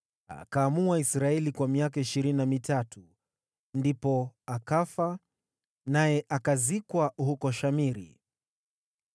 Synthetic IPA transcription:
a̰kaːmuaisɾaɛlikwamiakaiʃiɾininamitatʰu | ndipɔakafa | najɛʔakazikwahukɔʃamiɾḭ

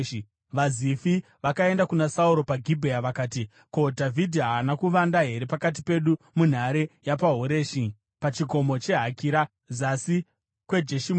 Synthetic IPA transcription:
ʋazifi | ʋakae̞ndakunasauɾo̞paɡʱibʱejaʋakaːti | kodʱavʱidʱiɦaːnakuʋandaɦe̞ɾe̞pakat̬i̥pe̞ɗu | mun̤aɾe̞japaɦoɾe̞ːʃi | pat͡ʃiɡʱo̞mo̞t͡ʃe̞ɦakiɾa | zasi | kwe̞d͡ʒeʃim

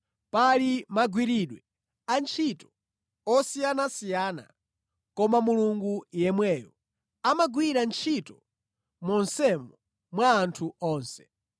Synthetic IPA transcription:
palimaɡwiɾiɗwɛ | ant͡ʃʰitɔ̥ | ɔsijanasijana̰ | kɔmamuluŋɡujɛmwɛːjɔ̰ | amaɡwiɾant͡ʃʰitɔ | mɔnsɛmɔ | mwaːntʰuɔːnsɛ̥

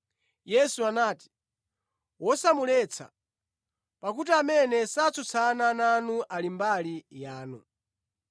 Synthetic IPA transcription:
jɛsuanaːti̥ | wɔsamulɛt͡sʰa̰ | pak̬ut̬iamɛnɛsat͡sʰut͡sʰanananuʔalimbalijaːnu

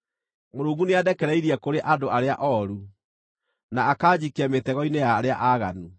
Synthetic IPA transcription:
moɾuːŋɡuneadɛkɛɾɛiɾiɛkoɾeʔadoʔaɾeaʔɔɾu | naːkaːd͡ʑikɛmetɛɣɔinejaɾeaʔaɣa̰nu

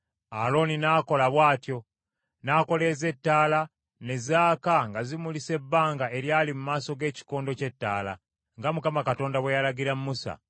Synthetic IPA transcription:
alo̞ninaːko̞laβwaːtjo̞ | naːko̞le̞ːze̞tːaːla | ne̞zaːkaŋɡazimulise̞bːaːŋɡae̞ɾjaːlimumaːso̞ɡe̞ːci̥ko̞ːndo̞ce̞tːa̰ːla̰ | ŋɡamukamakato̞ːndawejalaɡiɾammusa̰

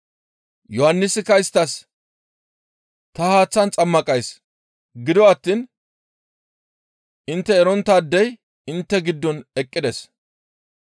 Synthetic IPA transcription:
jɔhɐnːɪsɪkɐɪst̪ːɐs | t̪ɐhaːt͡sːɐnt͡sʼɐmːɐkʼɐjs | ɡɪd̪ɔɐt̪ːin | ɪnt̪ːɛːɾɔnt̪ːaːd̪ːɛj | ɪnt̪ːɛɡɪd̪ːɔnɛkʼːɪd̪ɛs

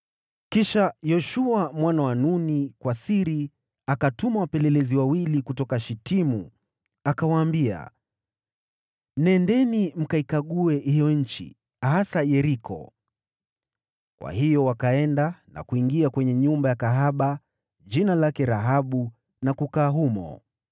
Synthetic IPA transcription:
kiʃajɔʃuamwanawanunikwasiɾi | akatumawapɛlɛlɛziwawilikutɔkaʃitimu | akawaːmbia̰ | nɛndɛnim̩kaikaɠuɛhijɔɲ̩t͡ʃḭ | hasajɛɾikʰɔ̰ | kwa̰hijɔwakaɛndana̰kuiŋɡiakwɛɲɛɲumbajakaɦaɓa | ʄinalakɛɾaɦaɓu | nakukaːɦumɔ̰

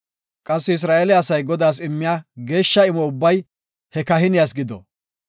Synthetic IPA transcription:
kʼɐsːɛɪs̬ɾaːʔelɪɐsɐjɡɔd̪aːs̬ɪmːɪjaːɡe̞ːʃːɐɪmɔʊbːɐj | hɛkɐɦɪnɪjasɡɪd̪ɔ̰

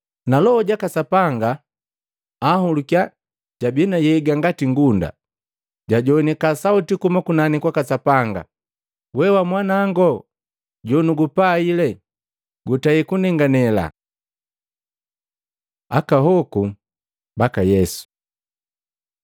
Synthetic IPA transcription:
nalɔhɔɟakasapaŋɡa | hulukja | ɟ̥abinajɛɡaŋɡatiŋɡunda̰ | ɟaɟɔnikasautikumakunanikwakasapaŋɡa̰ | wɛwamwanaːŋɡɔ | ɟɔnuɡupailɛ | ɡutaikunɛŋɡanɛla̰ | akaɦɔku | bakajɛsu̥

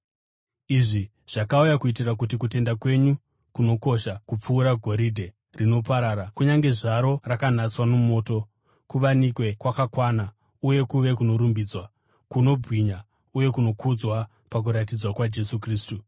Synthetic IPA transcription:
iʐi | ʐ̥akaujakuit̬irak̬ut̬ikute̞ndakwe̞ɲu | kuno̞ko̞ʃakup͡fuːɾaɡʱo̞ɾidʱe̞ | rino̞paɾaːɾakuɲaŋɡe̞ʐaɾo̞rakan̤at͡swanumo̞ːto̞ | kuʋanikwe̞kwakakwana | uje̞kuʋe̞kuno̞ɾumbid͡zwa | kuno̞bwiɲa | uje̞kuno̞kʰud͡zwa | pak̬uɾatid͡zwakwad͡ʒe̞sukriːstu

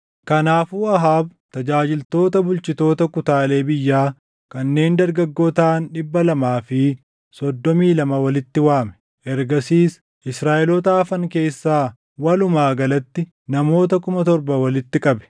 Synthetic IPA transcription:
kɐnaːfuːɐɦaːbt̪ɐd͡ʒaːd͡ʒɪlt̪o̞ːt̪ɐbʊlt͡ʃɪt̪o̞ːt̪ɐkʊt̪aːle̞ːbɪjːaː | kɐnːe̞ːnd̪ɐɾɡɐɡːo̞ːt̪aːnɗɪbːɐlɐmaːfɪ | sɔd̪ːɔmiːlɐmɐwɐlɪt̪ːɪwaːmɛ̥ | ʔɛɾɡɐsiːs | ʔɪsɾaːʔɛlɔt̪aːfɐŋke̞ːsːaː | wɐlʊmaːɡɐlɐt̪ːɪ | nɐmo̞ːt̪̬ɐkʊmɐt̪ɔɾbɐwɐlɪt̪ːɪkʼɐbɛ̥

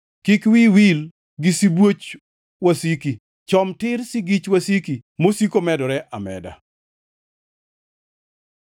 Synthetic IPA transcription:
kikwiwil | ɡɪsibwot͡ʃ | wasiki | t͡ʃɔmtɪɾsɪɡit͡ʃwasikimosikomɛdɔɾɛʔamɛ̰da̰

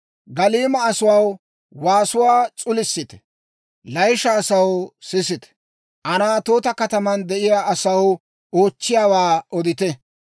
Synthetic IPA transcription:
ɡɐliːmɐːsʊwaw | waːsʊwaːt͡sʼʊlɪsːɪt̪ɛ̥ | lɐjʃɐːsɐwsɪsɪt̪ɛ̥ | ʔɐnaːt̪oːt̪ɐkɐt̪ɐmɐnd̪ɛʔɪjaːɐsɐw | o̞ːt͡ʃːɪjaːwaːɔd̪ɪt̪ɛ

